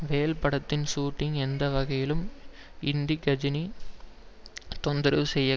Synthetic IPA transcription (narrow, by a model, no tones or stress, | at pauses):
ʋeːɐlpɐɽɐt̪ːɪnsuːʈːɪŋɛnd̪ɐʋɐɣɐjɪlɯm | ɪnd̪iɡɐd͡ʒɪni | t̪ɔnd̪ɪɾɐʋɯsɛjːɐ